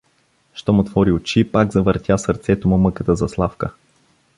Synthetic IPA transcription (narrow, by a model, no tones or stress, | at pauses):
ʃt̪ɔmʊt̪vɔɾiʊt͡ʃipaɡzɐvəɾt̪ʲjasəɾt̪sɛt̪omʊmɤkət̪əzɐslˠafkə